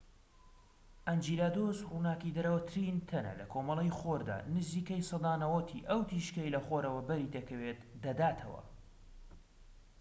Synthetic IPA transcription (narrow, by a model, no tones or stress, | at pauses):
ʔand͡ʒilaːd̪osruːnaːkid̪ɐɾəwɐt̪ʰɾint̪ʰɐnɐ̰lɐkʰoːmɐlˠejxoɾd̪a̰ːnɨziːkɐjsˤɑd̪aːnɐwɐt̪ʰḭʔɐwt̪ʰiʃkɐjlɐxoːɾɐwɐbɐɾid̪ɐkʰɐweːt̪d̪ɐd̪aːt̪ʰɐ̰wɐ̰